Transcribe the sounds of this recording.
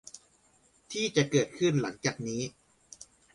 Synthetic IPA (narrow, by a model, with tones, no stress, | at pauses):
t̪ʰiː˥˩t͡ɕa˨˩ʔkɤː˨˩t̪̚kʰɯ˥˩nla˩˦ŋt͡ɕaː˨˩k̚niː˦˥